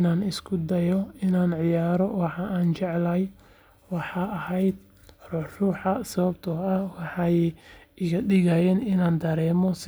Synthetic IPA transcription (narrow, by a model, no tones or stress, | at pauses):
naːnɪskʰʊd̪ɐjɔɪnaːnʕɪjaːɾɔwɑħɑʔaːnt͡ʃɛʕlɐj | wɑħɑːɐɦɛjd̪̚ | ruːħruːħɑsɐβɐbt̪ʰɔɐhwɑħɑjɪɣɐɗɪɣɐjɛːnɪnaːnd̪ɐɾɛːmɔs